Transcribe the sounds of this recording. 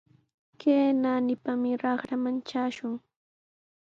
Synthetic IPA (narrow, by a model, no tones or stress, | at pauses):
keːnaːnɪpamɪɾɑχɾamant͡ʃaːʃʊŋ